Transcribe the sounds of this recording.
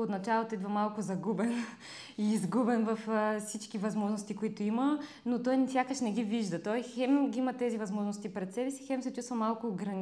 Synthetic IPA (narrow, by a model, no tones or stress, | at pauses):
ot̪nɐt͡ʃalˠot̪oid̪vɐmalˠkʊzɐɡubɛn | iːzɡubɛnvɐffsit͡ʃkivɐzmɔʒnost̪ikoit̪oimə | not̪ɔjnsʲjakəʃnɛɡiviʒd̪ət̪ɔijxɛmɡʲiimɐt̪ɛzivɐzmɔʒnost̪ipɾɛt̪sɛbɛsi̥xɛmsɛt͡ʃust̪vɐmalˠkʊɡɾɐn